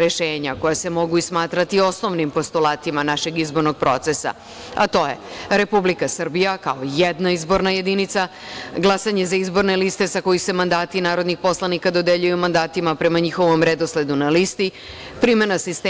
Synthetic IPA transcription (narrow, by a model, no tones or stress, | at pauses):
ɾeʃeːɲako̞jase̞mo̞ɡuismaːt̪ɾat̪io̞sno̞ʋnimpo̞st̪ulˠaːt̪imanaʃe̞ɡizbo̞ɾnoɡ̚pɾo̞t̪sesa̰ | a̰t̪o̞je̞ɾe̞publikasr̩bijakaojed̪naizbo̞ɾnaje̞d̪init̪sa | ɡlˠasaɲe̞zaizbo̞ɾne̞list̪e̞sako̞jise̞mand̪aːt̪inaːɾo̞d̪nixpo̞slˠanikad̪o̞d̪eʎujumand̪aːt̪imapɾe̞maɲixo̞ʋo̞mɾed̪osle̞d̪unalist̪i | pɾime̞nasist̪